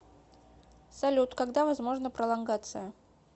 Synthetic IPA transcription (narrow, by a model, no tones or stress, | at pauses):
sɐlʲut̪kaɡd̪avɐzmo̞ʐnəpɾəlˠɐnɡat̪sɨjə